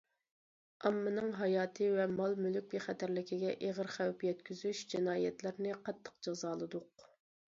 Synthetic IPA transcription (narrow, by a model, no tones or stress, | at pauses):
ɑmːɨnɨŋɦɑjɑːt̪ʰɨvɛmɑlˠmylyk̚ʲbeχɛt̪ʰæɾlɪkʲʰiɡʲɛʔeʁəɾχæwpjɛt̪kʲyzyʃd͡ʒɪnɑːjɛt̪lɪɾnɪqʰɑt̪ʰːə̥qd͡ʒɑzɑːlˠɨd̪ʊq̚